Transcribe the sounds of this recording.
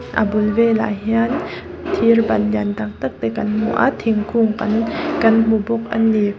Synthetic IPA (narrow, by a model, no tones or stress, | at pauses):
ʔa̰bulvela̰ɦian | t̪ʰirbanjant̪aŋ̚t̪ɯk̚t̪ekanmṵʔa̰t̪ʰːiŋkʰuŋkankanmubuk̚ʔanːi